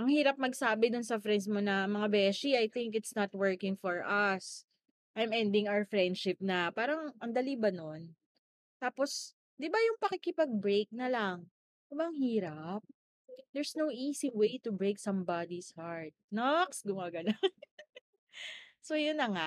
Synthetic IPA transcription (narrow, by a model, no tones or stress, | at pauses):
ʔɐŋhiːɾɐp̚mɐɡsaːbɛd̪ʊnsɐfɾɛnd̪s̬monɐmɐŋabɛːʃiajθɪŋkɪt̪snɐt̪wɜɹkɪŋfɔɹʔɐs | ʔajmɛnd̪ɪ̃ŋawəɹfɹɛnd̪ʃɪp̚nɐpaːɾɐŋʔɐŋd̪ɐlibɐnon | t̪aːpos | d̪ɪbajʊŋpɐkɪkɪpɐɡ̚bɹejk̚nɐlaŋ | ʊbɐŋhiːɾɐp̚ | d̪ɛɹsnowʔiːsiwejt̪ʊbɹejksɐ̃mbad̪ishaɹt̪̚nɔksɡʊmaːɡɐnon | sojʊnːɐŋaʔ